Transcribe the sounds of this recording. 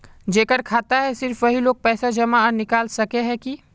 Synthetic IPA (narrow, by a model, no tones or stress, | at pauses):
d͡ʒeːkəɾkʰaːt̪aɦɛsɪɾfʋəɦiloːɡ̚pɛːsad͡ʒəmaɔnɪkaːlsəkeɦɛki